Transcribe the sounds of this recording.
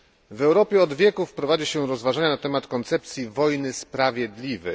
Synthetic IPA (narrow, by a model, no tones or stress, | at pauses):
vɛwɾɔpʲjɛɔd̪vʲjɛkufpɾɔvad͡ʑiɕɛɾɔzvaʐaɲanat̪ɛmat̪kɔnt̪sɛp̚t̪sʲjivɔjnɘspɾavʲjɛd̪lʲivɛ